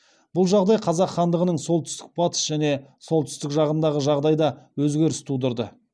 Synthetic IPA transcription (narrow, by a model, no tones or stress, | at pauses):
bʊlˠʒɑʁd̪ɑjqʰɑzɑqːɑnd̪əʁənəɴso̞lˠt̪ʏ̥st̪ɪk̚bɑt̪ə̥sʒæne̞so̞lˠt̪ʏ̥st̪ɪkʒɑʁənd̪ɑʁəʒɑʁd̪ɑjd̪ɑwɵzɡʲe̞ɾɪst̪ʰud̪əɾd̪ə